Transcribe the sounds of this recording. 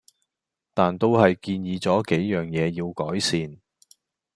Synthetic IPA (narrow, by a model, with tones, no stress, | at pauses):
t̪aː˨nt̪o˥whɐ˨jkiː˧njiː˨˧t͡sɔː˨˥ke˨˥jːœː˨ŋjɛː˨˧jiː˧wkɔː˨˥jsiː˨˧n